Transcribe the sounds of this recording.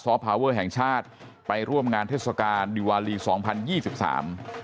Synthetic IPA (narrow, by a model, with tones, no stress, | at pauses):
sɔː˨˦˥pʰaː˧wɤː˥˩ɦɛ˨˩ŋt͡ɕʰaː˥˩t̪̚ | pa˧jɾu˥˩əmŋaː˧nt̪ʰeː˥˩sa˧kaː˧ndi˧waː˧liː˧sɔː˩˦ŋpʰa˧njiː˥˩si˨˩p̚sa̰ː˩˦m